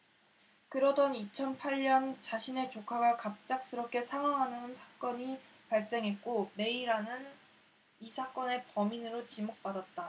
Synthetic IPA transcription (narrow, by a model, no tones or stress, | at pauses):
kɯɾʌdʌnit͡ɕʰʌnpʰaʎɲʌnt͡ɕaɕʰine̞t͡ɕokʰaɡakap̚t͡ɕ͈ak̚s͈ɯɾʌp̚k͈ʰe̞sʰaŋwaŋɦanɯnsʰḁk͈ʌɲi | paɭs͈e̞ŋɦe̞t̚k͈ome̞iɾanɯn | isʰak͈ʌne̞pʌminɯɾot͡ɕimok̚p͈adat̚t͈a